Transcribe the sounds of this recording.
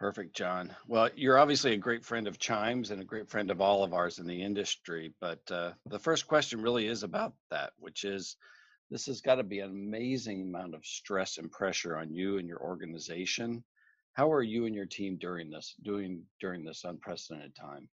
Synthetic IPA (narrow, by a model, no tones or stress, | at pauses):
pʰɜ˞fɨk̚d̥ʒ̥ɑ̃nwɛlˠjə˞ɑbviɨsliɨɡɹeɪtfɹɛ̃ndʌv̥t͡ʃʰãɪ̃mzɨ̃nɨɡɹeɪtfɹɛ̃ndʌvɔlˠəvə˞zɨ̃nðiɪ̃ndɨstɹ̥ib̥ʌt̚ʌðəfɜ˞skʰw̥ɛst͡ʃɨ̃nɹɪlˠiɪzəbaʊt̪̚ðæ̰t̚wɨ̰t͡ʃɪz̥ | ðɪshɨzɡɑɾɨbiɨ̃nəmeɪzɪ̃ŋəmãʊ̃ntʌv̥stɹ̥ɛsɨ̃npʰɹ̥ɛʃə˞ə̃njɨɨ̃njə̰˞ʔɔ̰ɹɡɨnɨzeɪʃɨ̃n | haʊə˞jɨɨ̃njə˞tʰĩmdʊɹɪ̃ŋðɪsd̥ʉɪ̃ŋd̥ʊɹɪ̃ŋðɪsə̃npʰɹ̥ɛsɨdɛ̃ɾ̃ɨd̚tʰã̰ɪ̃m